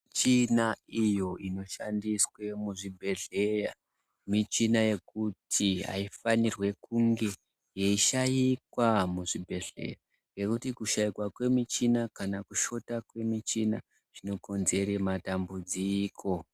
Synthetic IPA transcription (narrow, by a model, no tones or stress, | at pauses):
t͡ʃinaijo̞ino̞ʃandiswe̞muʐibʱe̞ɮe̞ja | mit͡ʃinaje̞kutʰiɦa̰ifanirwe̞kuŋɡe̞ | jeiʃajikwamuʐibʱe̞ɮe̞̰ra | ŋɡe̞kutikuʃajikwakwe̞mit͡ʃinakanakuʃo̞takwe̞mit͡ʃina | ʐ̥ino̞ko̞nze̞rematambud͡ziːkʰo̞